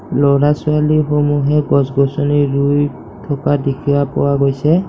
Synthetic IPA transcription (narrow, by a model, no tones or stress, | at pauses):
lɔɹasʊalixomuɦɛɡɔsɡɔsɔniɹuj | tʰɔkadekʰiwapɔ̰waɡojsɛ